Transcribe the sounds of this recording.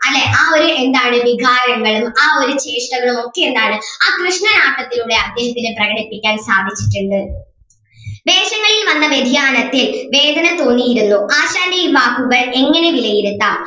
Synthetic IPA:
ɐlːe̞ʔaːo̞ɾue̞nd̪aːjɳɨʋiɡʱaːɾɐŋɡɐɭumaːo̞ɾut͡ɕe̞ːʂʈɐŋːɐɭumo̞kːeend̪aːɳɨaːkrɨʂɳɐnaːʈːɐt̪ːiluɽe̞ɐd̪jɐɕɐt̪ːinɨprɐɣɐɽipːikʲːaːnsaːd̪ʱit͡ɕːiʈːuɳɖɨ | ʋe̞ːɕɐŋːɐɭilʋɐnːɐʋjed̪ʱjaːnɐt̪ːilʋe̞ːd̪ʱɐnɐt̪o̞ːnːijiɾunːuʔaːɕaːɳɖiibaːkuɣɐɭe̞ŋːɐne̞ʋilɐjiɾut̪ːa

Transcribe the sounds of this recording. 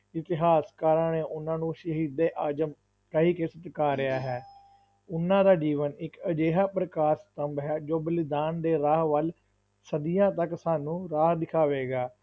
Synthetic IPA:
ɪt̪ɪɦaːskaːɾãɳeːʔʊnãːnũːʃəɦiːd̪eːʔaːd͡ʒəm | pɾəɦiːkɪsət̪kaːɾɪaːɦɛː | ʊnːãːd̪aːd͡ʒiːʋənɪkəd͡ʒeːɦaːpɾəkaːɾst̪əmbɦɛːd͡ʒoːbəlɪd̪aːnd̪eːɾaːɦʋəl | səd̪ijãːt̪əksaːnũːɾaːɦd̪ɪkʰaːʋeːɡaː

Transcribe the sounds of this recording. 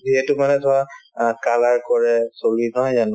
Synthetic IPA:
ziɦɛtʊmanɛtʰɔakalaɹkɔɹɛsoɹinɔɦɔjzanʊ

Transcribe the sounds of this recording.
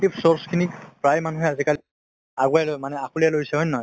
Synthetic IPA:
ipsɔɹskʰinikpɹajmanuɦɛazikali | aɡualojmanɛakulijalojsɛɦɔjnːɔ

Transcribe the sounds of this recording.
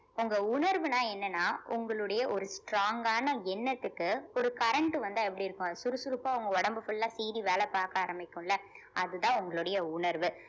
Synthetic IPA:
ʊŋɡɐʊnɐɾʋɯnãːɛnːɐnːaːʔʊŋɡɐɭɯɽɐjɐʔɔɾɯsʈɾaːŋɡaːnɐɛnːɐt̪ːɯkːɯɔɾɯkɐɾɐɳʈɯʋɐnd̪aːɛpːɐɽiɪɾɯkːʊ̃ɐðsʊɾɯsʊɾɯpːaːʊŋɡɐɔɽɐmbɯfɯlːãːsiːɾiʋeːlɛpaːɾkɐaːɾɐmɪkːʊ̃mɪlːɐ | ʔɐðɯðãːʊŋɡɐɭɯɽɐjɐʊnɐɾʋɯ

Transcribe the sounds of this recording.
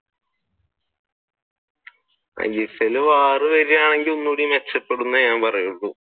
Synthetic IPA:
ɐ̰ɡiseluʋaːrɨʋɐɾijaːɳeŋɡilonːuɽijumet͡ɕːɐpːe̞ɽunːɐɲaːmpɐrɐjuɭːu

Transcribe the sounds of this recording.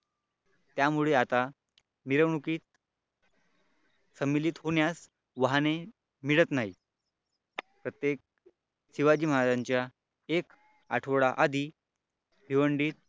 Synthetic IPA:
t̪jamuɭeat̪a | miɾəʋɳukiːt̪ | səmːilit̪ɦoɳjas | ʋaɦne | miɭət̪naɦi | pɾət̪jek̚ | siʋad͡ʑiːm̤ad̪aɲt͡ɕja | ek | a̰ʈʰoʋɭaʔad̪ʱiː | bʱiʋəɳɖiːt̪̚

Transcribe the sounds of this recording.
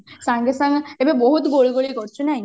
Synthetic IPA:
sãŋɡesãŋɡebebɔɦut̪ɡoɭɡoɭikɔɾt͡ʃʰunaj

